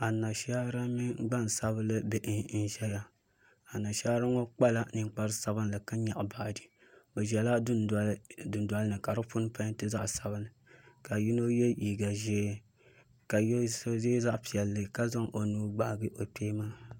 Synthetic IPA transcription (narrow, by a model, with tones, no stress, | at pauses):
a˨na˨ʃa˦ɾa˦mi˦ɡ͡ba˦n˨sa˦bɨ˦lɨ˦bɛ˨ʔɨ˦˨n̩˦˨ʒɛ˦la˨ | a˨na˨ʃa˦ɾa˦ŋɔ˦k͡pa˦la˦nɨ˨ŋ˦k͡pa˦ɾɨ˦sa˦βɨ˦n˦lɨ˨ka˦ɲa˨ʔbaː˨dɨ˨ | bɛ˨ʒɛ˨la˦dn˨dɨ˨nda˦lɨ˦nɨ˨ka˨ɾɨ˦pʊ˦n˦pa˦tɨ˦za˦ʔsa˨bɨ˦nɨ˨ka˨ji˦no˦jɛ˦ji˨ɡa˨ʒeː˦ | ka˨jsze˦za˦ʔpi˨ɛ˨lːɨ˨ka˦za˦ŋʔo˨nuː˦ɡ͡ba˨ʔɡɨ˦ʔo˨peː˦maː˦